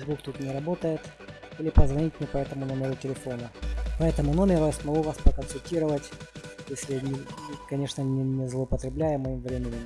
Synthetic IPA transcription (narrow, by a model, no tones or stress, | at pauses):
zbukt̪ut̪nʲɪɾɐbo̞t̪əjɪt̪ | ilʲɪpəzvɐnʲit̚ʲmnʲɪpɐɛt̪əmʊnomʲɪɾʊtʲɪlʲɪfo̞nəpɐɛt̪əmʊnomʲɪɾʊjasmɐɡuvaspɾəkənsʊlʲtʲiɾəvətʲjesʲlʲɪnʲɪɨkɐnʲe̞ʂnənʲɪnʲɪzlˠəʊpət̪ɾʲɪblʲæjɪmɐimvɾʲemʲɪnʲɪm